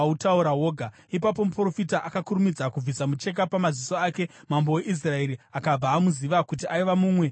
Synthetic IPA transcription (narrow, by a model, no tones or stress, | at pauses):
utauɾaɦo̞ːɡʱa | ipap̬o̞mupro̞fitaʔakakurumid͡zakub͡vʱisamut͡ʃe̞k̬apamaziso̞aːke̞mambo̞weʔis̬rae̞ɾiakab͡vaːmuziʋakutiʔaiʋamuːmwe̞